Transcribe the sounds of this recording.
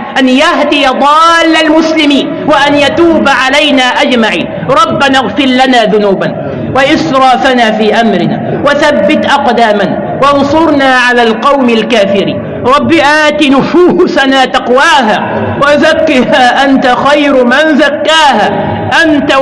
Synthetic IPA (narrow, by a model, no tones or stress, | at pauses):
ʔanjaɦd̪ɪjad̪ˤɑːlːalmʊslɪmiːn | waʔanjat̪uːbʕalajnaːʔad͡ʒmaʕḭːn | ɾˤɑbːanaɣfɪllanaːðʊnuːban | waʔɪsɾˤɑːfanaːfiːʔamɾɪna̰ː | waθabːɪt̪ʔɑqd̪aːman | wɑnsˤʊɾˤnaːʕalaːlqɑwmalkaːfɪɾḭːn | ɾˤɑbːiʔaːt̪inʊfuːsanaːt̪ɑqwaːɦaː | wazakːɪhaːʔant̪axajɾmɪnzakːaːɦaː | ʔant̪a